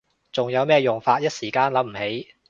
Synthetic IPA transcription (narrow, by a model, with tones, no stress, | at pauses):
t͡sʊ˨ŋjɐ˨˧wmɛː˥jʊ˨˩ŋfaː˧t̚jɐ˥t̚siː˨˩kaː˧nlɐ˨˧˥m̩˨˩he˨˥j